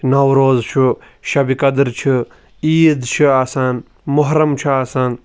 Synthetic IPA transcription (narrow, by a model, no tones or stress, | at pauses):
nɐwɾoːzt͡ʃʰu | ʃɐbikɐd̪ɾt͡ʃʰu | iːd̪t͡ʃʰuaːsaːn | mʊɦɾɐmt͡ʃʰuaːsaːn